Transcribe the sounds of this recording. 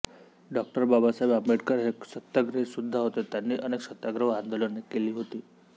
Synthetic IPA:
ɖɔk̚ʈəɾbabasajbapmiʈkəɾɦeksət̪ːaɡɾəsud̪ʱːaɦot̪et̪janːiːʔəneksət̪jaɡɾəʋãnd̪olənːekeliːɦot̪iː

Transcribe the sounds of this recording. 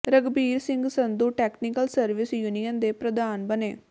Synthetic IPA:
ɾəɡbiːɾsɪ̃ŋɡsənd̪uːʈɛːknikəlsəɾʋɪsjuːnijənd̪eːpɾəd̪aːnbəneː

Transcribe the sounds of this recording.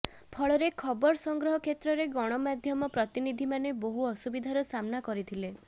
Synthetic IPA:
pʰɔɭɔɾekʰɔbɔɾɔsɔŋɡɾɔɦɔkʰet̪ɾɔɾeɡɔɽ̃ɔmad̪ʱjɔmɔpɾɔt̪inid̪ʱimaneboɦuɔsubid̪ʱaɾɔsamnakɔɾit̪ʰile

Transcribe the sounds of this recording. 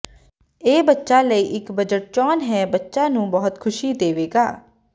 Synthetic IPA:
eːbətːʃaːləiːʔɪkbəd͡ʒəʈ̚t͡ʃɔːnɦɛːbətːʃãːnũːbɔːət̪kʰʊʃiːd̪eːʋeːɡaː

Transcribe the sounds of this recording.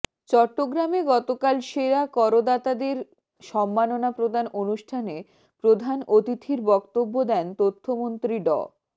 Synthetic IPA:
t͡ɕɔʈːoɡɾameɡɔt̪okalʃeɾakɔɾod̪at̪ad̪eɾ | ʃɔmːanonapɾod̪ʱanonuʃʈʰane | pɾod̪ʱanot̪it̪ʰiɾbɔkt̪obːod̪ɛnt̪ot̪ʰːomont̪ɾiɖɔ̰

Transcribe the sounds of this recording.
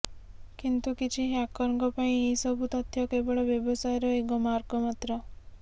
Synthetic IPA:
kint̪ukit͡ʃʰiɦakɔɾɔ̃ŋkɔpaĩesɔbʱut̪ɔt̪ʰjɔkebɔɭɔbjɔbɔsajɔɾɔekɔmaɾɡɔmat̪ɾɔ

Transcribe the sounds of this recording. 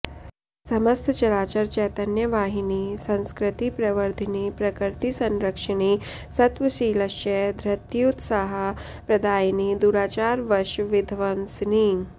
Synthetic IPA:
sɐmɐst̪ʰt͡ʃɐɾaːt͡ʃɐɾt͡ʃɛːt̪ɐnjəʋaːɦiniːsɐ̃nskɾɪt̪ipɾɐʋəɾd̪ʱinipɾɐkɾt̪isɐnɾɐkʂəɳ̃iːsɐt̪ʋɐʃiːlɐʃjed̪ʱɾɐt̪jut̪sɐɦɐ | pɾɐd̪aːjniːd̪uːɽaːt͡ʃaːɾʋɐɾʃʋɪd̪ʱʋɐnsniː

